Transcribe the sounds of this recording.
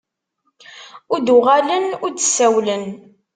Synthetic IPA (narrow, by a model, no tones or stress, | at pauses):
ʊɾd̪ʊʁalənʊɾd̪sːæwlən